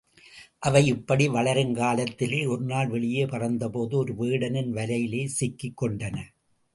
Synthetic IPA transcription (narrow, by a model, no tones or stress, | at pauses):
ʔɐʋɐɪɪpːɐɽiʋɐɭɐɾɯnkaːlɐt̪ːɪleːɔɾnaːlʋɛɭɪjeːpɐrɐnd̪ɐpoːðɯɔɾɯʋeːɽɐnɪnʋɐlɐjɪleːsɪkːɪkːɔɳɖɐnɐ